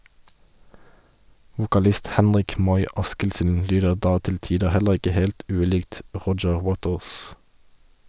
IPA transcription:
ʋʊkɑˈlɪst ˈhɛnʁɪk ˈmɔʏ ˈɑskɪlsn̩ ˈlyːdəʁ ˈdɑː ˈtɪl ˈtiːdə ˈhɛləʁ ˈɪkə ˈheːlt ˈʉːˌliːɡt ˈʁɔd͡ʒəʁ ˈwoːtəʁs

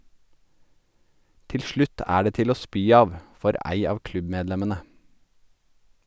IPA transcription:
ˈtɪl ˈʃɭʉt ˈæː ˈɖeː ˈtɪl ˈoː ˈspyː ˈɑːʋ ˈfɔɾ ˈæɪ ˈɑːʋ ˈklʉbˌmeːdˌlɛmənə

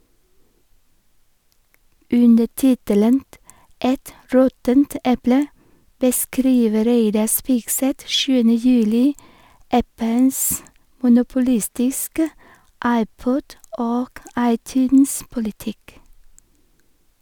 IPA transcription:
ˈʉndə ˈtɪtələnt ˈʔɛt ˈɾɔtənt ˈɛplə bəˈskɾiːʋə ˈɾeɪdɑ ˈspiːɡˌsɛt ˈʃʉːənə ˈjʉːlɪ ˈʔæpəns mʊnʊpʊˈlɪstɪskə ˈʔɑɪˌpɔd ˈoːk ˈɑɪˌtʉːnspʊlɪˌtɪk

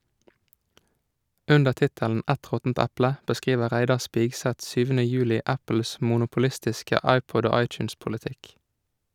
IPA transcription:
ˈʔʉndəʁ ˈtɪtəln̩ ˈʔɛt ˈʁɔtn̩t ˈɛplə bəˈskʁiːʋəʁ ˈʁæɪdɑʁ ˈspɪɡsɛt ˈsyːʋənə ˈjʉːlɪ ˈæpəls mʊnʊpʊˈlɪstɪskə ˈɑɪpɔd ˈoː ˈɑɪt͡ʃʉnspʊlɪˌtɪk

